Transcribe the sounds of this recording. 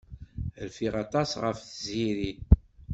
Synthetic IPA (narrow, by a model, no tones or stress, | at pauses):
əlfiʁɑt̪ˤɑsʁəfθəziɾi